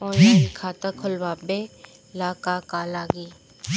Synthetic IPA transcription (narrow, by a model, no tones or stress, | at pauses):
ɔːkʰaːt̪akʰɔlwaːbe | laːkakaːlaːɡi